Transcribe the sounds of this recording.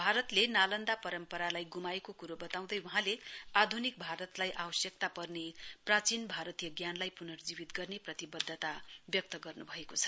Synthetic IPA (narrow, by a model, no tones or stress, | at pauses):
bʱaɾʌt̪lenalʌnd̪apʌɾʌmpʌɾalajɡumaekokuɾobʌt̪aw̃d̪ʌjwuɦãlead̪ʱunik̚bʱaɾʌt̪lajʔawʌsjʌk̚t̪apʌrneprat͡sinbʱaɾʌt̪ijʌɡjanlajpunʌrd͡zibit̪ɡʌrneprʌt̪ibʌd̪ʱːʌt̪abjʌk̚t̪ʌɡʌrnubʱʌekot͡sʰʌ̥